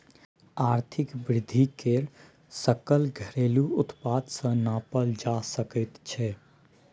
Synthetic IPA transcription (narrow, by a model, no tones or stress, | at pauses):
aːɾt̪ʰɪkbɾɪd̪ʱːikeɾ | səkəlɡʱəɾeːluʊt̪paːd̪sə̃naːpəld͡ʒasəkət̪t͡ʃʰɛ